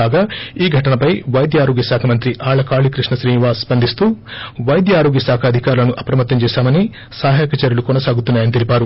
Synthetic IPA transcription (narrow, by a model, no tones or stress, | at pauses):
aːɡaːiːɡʱɐʈɐnɐpɐjʋɐjd̪jaːɾoːɡjɐsaːkʰɐmɐnt̪̬ɾiʔaːɭɐkaːɭikɾiʂɳnɐʃɾiːniʋaːspɐnd̪ʱist̪uːʋɐjd̪jaːɾoːɡjɐsaːkʰɐːd̪ʱikaːɾulɐnuʔɐpɾɐmɐt̪ːɐmt͡ʃɛːʃaːmɐni | saːɦaːkɐt͡ʃɐɾjɐlukɔnɐsaːɡut̪unːaːjɐnit̪elipaːɾu